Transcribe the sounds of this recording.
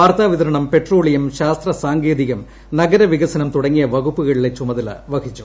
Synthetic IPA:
aːɾt̪aːʋiðɐɾɐɳɐmpe̞ʈro̞ːɭijɐmɕaːst̪rɐsaːŋɡeːðiɣɐm | nɐɡɐɾɐʋiɣɐsɐnɐmt̪uɽɐŋːijɐʋɐɣupːuɣɐɭilet͡ɕːumɐðɐlɐ̰ʋɐkit͡ɕːu̥

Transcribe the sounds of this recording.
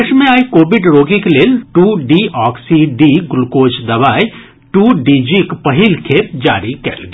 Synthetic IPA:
ʃmẽaːikoːbɪɖɾoːɡikeleːlʈuːɖiːɔːksiɖiɡʊlkoːt͡ʃd̪ɐʋaːj | ʈuːɖiːd͡ʒikpɐɦɪlkʰeːp̚d͡ʒa̰ːɾikɛ̰lɡ

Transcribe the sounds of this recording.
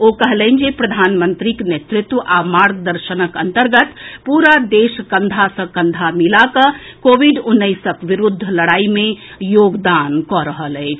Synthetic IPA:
okəɦlənd͡ʒepɾəd̪ʱanmənt̪ɾiknet̪ɾut̪ʋəʔamaɾɡd̪əɾʃənəkənt̪əɾɡət̪puɾad̪eskənd̪ʱasə̃kənd̪ʱamilakəkobiɖunːəjsəkʋiɾud̪ʱːləɽaimejoɡd̪ankɔɾəɦələɪt͡ʃʰ

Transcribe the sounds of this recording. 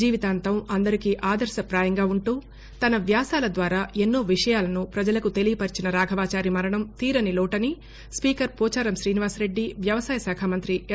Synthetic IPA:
iːʋit̪aːnt̪ɐmɐnd̪ɐɾikiːʔaːd̪ɐɾʃɐpɾaːjɐŋɡaːuɳʈuː | t̪ɐnɐʋjaːsaːlɐd̪ʋaːɾaːenːoːʋiʂɐjaːlɐnupɾɐd͡ʒɐlɐkut̪e̞lijɐpɐɾt͡ʃinɐɾaːɡʱɐʋaːt͡ʃaːɾimɐɾɐɳɐmt̪iːɾɐnilɔːʈɐni | spiːkɐɾpɔːt͡ʃaːɾɐmʃɾiːniʋaːsɾe̞ɖːiʋjɐʋɐsaːjɐsaːkʰaːmɐnt̪ɾiʔ

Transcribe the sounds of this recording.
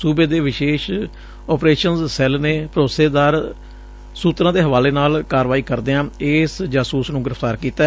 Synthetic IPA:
suːbeːd̪eːʋɪʃeːʃ | ɔːpɾeːʃənzsɛlneːpəɾoːseːd̪aːɾ | suːt̪ɾãːd̪eːɦəʋaːleːnaːlkaːɾʋaːiːkəɾd̪eːãːɪsd͡ʒaːsuːsnũːɡɪɾəfʰt̪aːɾkiːt̪ɛː

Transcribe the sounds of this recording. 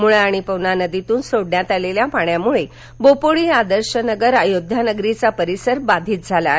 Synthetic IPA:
muɭaaɽ̃ipəʋnanəd̪it̪uːnsoɽɳjat̪aleljapaɳjamuɭe | bopoɭiːad̪əɾɕənəɡəɾajod̪ʱjanəɡɾit͡sapəɾisəɾbad̪ʱiːt̪̚d͡zʱala

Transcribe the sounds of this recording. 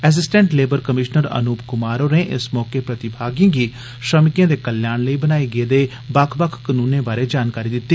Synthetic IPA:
ɛs̬ɪsʈɛ̃ːɳʈleːbəɾkəmɪʃnəɾə̰nuːpkʊmaːɾoːneːʔɪ̰smɔːkeːpɾət̪ɪbʱaːɡijãːɡiː | ʃɾəmɪkjãːd̪eːkəljaːnləiːbənaːeɡeːd̪eː | bakʰbəkʰkənũːnẽːbaːɾeːd͡ʒaːnkaːɾiːd̪ɪt̪ːiː

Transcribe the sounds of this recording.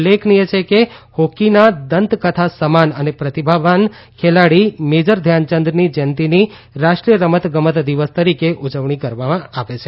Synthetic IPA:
lːeknijet͡ʃʰekehokinad̪ənt̪kət̪ʰasəmanənepɾət̪ibʱaʋan | kʰelaɽimed͡ʒəɾd̪ʱjant͡ʃənd̪ɾənid͡ʒənt̪ini | ɾaʃʈɾijəɾəmət̪ɡəmət̪d̪iʋəst̪əɾikeʔud͡ʒəʋɳikəɾʋamãaʋet͡ʃʰe

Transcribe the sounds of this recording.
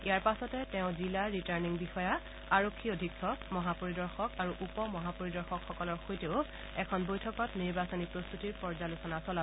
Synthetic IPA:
ijaɹpasɔtɛtɛʊ̃zilaɹitaɹniŋbixɔja | aɹokʰːiodʱikʰːɔmɔɦapoɹidɔɹxɔkaɹuʔupɔmɔɦapoɹidɔɹxɔkxɔkɔlɔɹxojteʊ | ɛkʰɔnbojtʰɔkɔtniɹbasonipɹost̪utiɹpɔɹzalusɔnasɔla

